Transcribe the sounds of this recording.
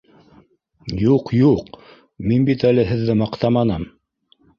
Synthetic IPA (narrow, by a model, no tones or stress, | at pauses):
juqjuq | minbit̪ælɘɦɘ̆ðːɘmɑqt̪ɑmɑnɑm